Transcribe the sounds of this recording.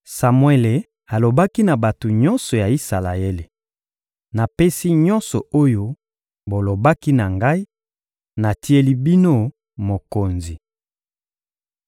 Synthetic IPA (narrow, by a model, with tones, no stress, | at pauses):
sa˨mwe˨le˨ | a˨lo˨ba˦ki˦na˨ba˨to˨ɲɔ˦nsɔ˨ja˨i˦sa˨la̰˨e˦le˨ | na˨pe˦si˦ɲɔ˦nsɔ̰˨o˦jo˦ | bo˨lo˨ba˦ki˦na˨ŋɡa˦i˦ | na˨ti˦e˦li˦bi˦no˦ | mo˨ko˨nzi˨